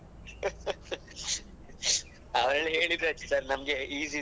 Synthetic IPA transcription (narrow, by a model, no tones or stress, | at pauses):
ɐʋɐɾɐleːɭid̪ɾɐt͡ʃːesaːɾnɐmɐɡe̞iːsi